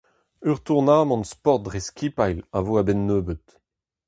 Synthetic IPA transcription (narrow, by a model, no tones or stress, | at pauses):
yʁt̪uʁnaːmɑ̃nspɔʁt̪̚dʁeskʲipajlavoabɛnːøːbət̪